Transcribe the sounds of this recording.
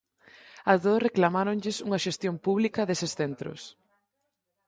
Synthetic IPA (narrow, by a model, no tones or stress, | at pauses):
ɐzðosreklamaɾoɲʎɪsuŋɐʃest̪jompuβlikɐðesɪsθent̪ɾʊ̰s